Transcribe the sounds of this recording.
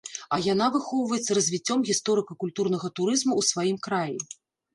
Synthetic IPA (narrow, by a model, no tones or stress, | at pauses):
ɐjanavɨxɔwvɐjɛt̪sːɐɾɐzʲvʲit͡sʲːɔmɣʲist̪ɔɾɨkɐkulʲt̪uɾnɐɣɐt̪uɾɨzmuwsvajimkɾaji